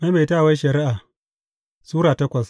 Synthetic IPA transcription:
ma˦me˨ta˦˨wa˦ʃɐ˨ɾi˦ʔa˨ | suː˦ɾaː˨tɐ˦kʷɐ˨s

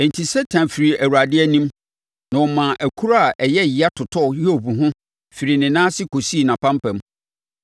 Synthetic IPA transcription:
ɛ˨n˨tʰi˨sɛ˦tʰã˨nfi˨ɾi˨ʔæ˨wu˨a˨dɪ˦ɛ˦nĩ˦m | nã˨wɔ̃˨mã˨ʔæ˨kʰu˦ɾa˦a˨ʔɛ˨jɛ˦˨jɪ˨a˦tʰʊ˨tʰɔ˦˨hɛ˦o˨bu˨ɦʊ̃˦ | fi˨ɾi˨nɪ̃˨nãː˦sɪ˦kʰo˨siː˦˨nã˨pʰã˦m˦pɛ̃˨˦m

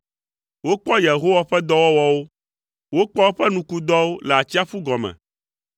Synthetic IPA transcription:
wo˦k͡pɔ˦je˨ɦo˦wa˨ɸɛ˦d̪ɔ˦wɔ˦wɔ˦wo˦ | wo˦k͡pɔ˦wo˦ɸɛ˦nũ˨ku˦d̪ɔ˦wo˦lɛ˨a˨t͡ɕi˦a˦ɸu˦ɡɔ˨mɛ̰̃˨

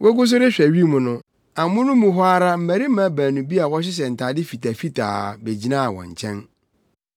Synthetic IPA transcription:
wʔɔ˦ɡʊ˦s̬ʊ˦ɾɪ˦ɕᶣɛ˨ɥi˦˨mʊ̃˨nʊ̃˦ | ã˨mʊ̃˦nʊ̃˦mũ˨ɦʊ˦a˦ɾa˦m̩˦mæ˨ɾi˦m̩˦mã˨˦bæ̃ː˨nũ˨bi˦a˨wɔ˦ɕ̬ɪ˦s̬ɛ˨n̩˨tʰaː˨dɪ˦fi˨tʰa˨fi˦tʰa̰ː˨be˨d͡ʑi˦nãː˦a˨wɔ̰̃˨ɲ˨t͡ɕʰɛ̃˦n

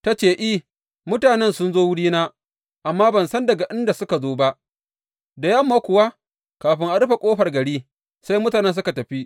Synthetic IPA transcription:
ta˦t͡ʃeː˨ʔi˦ | mʊ˦taː˨nɛ˦nsʊ˦nzoː˦wʊ˦ɽiː˦naː˦ | ʔa˨mːaː˦bɐ˨nsɐ˦ndɐ˨ɡa˨ʔɪ˦nda˨sʊ˦ka˨zoː˦ba˦ʔ | da˨jɐ˦mːaː˦kʷʊ˨wa˦ | kaː˨ɸɪ˦ŋʔa˨ɽʊ˦ɸa˨kʷʼoː˦ɸɐ˨rɡɐ˨ɽiː˦ | sa˦jmʊ˦taː˨nɛ˦ns̬ʊ˦ka˨tɐ˨ɸi˦ʔ

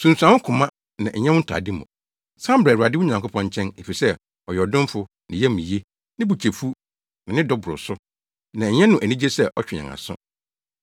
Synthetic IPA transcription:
sũ˨n̩˨su˨ã˨wʊ̃˦kʰʊ̃˨mã˦ | nã̰˨ʔɲɛ̃˦wʊ̃˦n˦tʰa̰˨dɪ˦mʊ̰̃˨ | sã˦mbɾa˨u˨a˨dɪ˦wʊ˦ɲã˨ŋkʰʊ˦pʰɔ̃˦ɲ˦t͡ɕʰɛ̃˦ne˨fi˨sɛ˦ | ɔ˨jɛ˨dʊ̃˦m˦fʊ˦ | nɪ̃˨jɛ˦mĩ˨je˦ | nɪ̃˦bu˨t͡ɕʰe˨fu˦ | nã˨nɪ̃˦dɔ˦bʊ˨ɾʊ̰˨sʊ˦ | nã˨ɲɛ̃˦nʊ̃˨ʔæ˨nĩ˦d͡ʑe˦sɛ˦ʔɔ˦t͡ɕᶣɪ˨ɲã̰˨ŋa̰˨sʊ̰̃˦

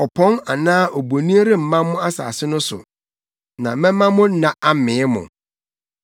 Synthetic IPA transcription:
ɔ˨pʰɔ̃˦na˨nãː˦ʔo˨bo˨nĩ˦ɾɪ˦m̩˨mã˦mmʊ̃˦a˦sa̰ː˨sɪ˦nʊ̃˦sʊ̰˨ | nã̰˨˦mɛ̃˦mã˦mʊ̃˦nã˨ʔa˦mɪ̃˨˦mʊ̰̃˨

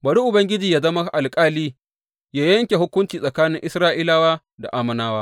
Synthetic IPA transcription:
bɐ˨ɽi˦ʔʊ˨bɐ˦ŋɡʲɪ˦d͡ʒiː˨jaː˦zɐ˦ma˦ʔa˨lkʼaː˦liː˦ | jaː˦jɐ˦ŋkʲe˨ɦʊ˦kʷʊ˦nt͡ʃiː˨sʼɐ˨kaː˦nɪ˦ŋʔɪ˦sɾaː˦ʔiː˦laː˦waː˦ | da̰˨ʔaː˦mɐ˨naː˦waː˦

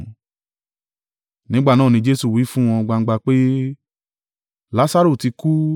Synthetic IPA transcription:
nĩ˨˦ɡ͡ba˦˨nãː˦˨nĩ˧d͡ʒe˦su˦˨wi˨˦fũ˦w̃ɔ̃˧ɡ͡ba˧ŋ̩˦ɡ͡ba˧k͡pe˦ | la˨˦sa˦ɾo˦˨ti˧ku˦

